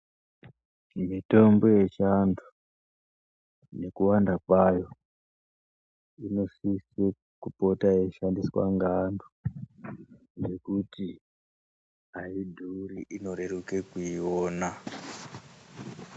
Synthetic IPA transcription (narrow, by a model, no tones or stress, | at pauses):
mito̞mbo̞je̞ʃandu | ne̞kuwandakwajo̞ | ino̞sise | kupo̞taje̞ʃandiswa̰ŋɡandu | ʐe̞kuti | aidʱuːɾiʔino̞ɾe̞ɾukekuiwo̞ːna